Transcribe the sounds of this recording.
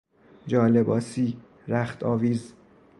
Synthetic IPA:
d͡ʒɒːlebɒːsiː | ɾæxt̪ʰɒːviːz

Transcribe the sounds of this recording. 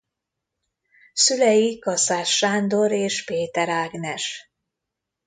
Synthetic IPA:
sylɛjikɒsaːʃaːnd̪o̞ɾeːʃpeːt̪ɛɾaːɡnɛʃ

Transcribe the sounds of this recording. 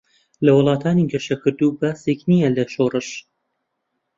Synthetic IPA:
lɐwɨlˠɑːt̪ʰaːniɡɐʃɐkɨɾd̪uːbaːseknijɐlɐʃoːrɨʃ

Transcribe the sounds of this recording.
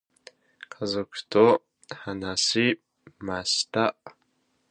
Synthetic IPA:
kʰazokʷʰtʰo | ħanasi | mastaʔ

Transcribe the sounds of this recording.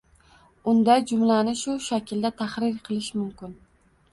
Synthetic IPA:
ʊnd̪ajd͡ʒʊmlanɪʃʊʃakʰʲɪld̪at̪ʰaχɾɪɾqʰɨlˠɪʃmʊmkʲɪn

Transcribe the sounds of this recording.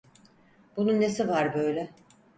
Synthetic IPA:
b̥ununːesivaɾbø̞jlʲɛ

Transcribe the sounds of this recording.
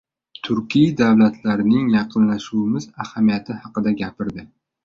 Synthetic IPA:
t̪ʰʊɾkʲijd̪awlat̪ʰlaɾnɪŋjɑqʰɨnlaʃuwɪmɪzahamijat̪ʰɪhɑqɨd̪aɡʲapɪɾd̪ɪ

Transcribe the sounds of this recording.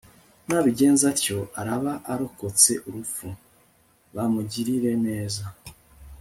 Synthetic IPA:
naβiɟe̞ːnzaɾco̞ʔaɾaβaʔaɾo̞ko̞t͡se̞ʔuɾufu | βamuɟiɾiɾe̞ne̞ːza

